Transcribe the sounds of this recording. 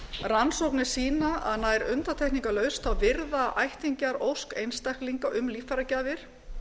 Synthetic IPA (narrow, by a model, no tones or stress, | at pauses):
ransowknɪ̥siːnaʔa̰ðnaːjɾʏnt̪at̪ʰɛhkniŋkalœːɥst̪ʰawvɪɾðaʔajht̪iɲcaɾowskejnst̪ajhkliŋkaʔʏmlifɛɾacaːvɪɾ̥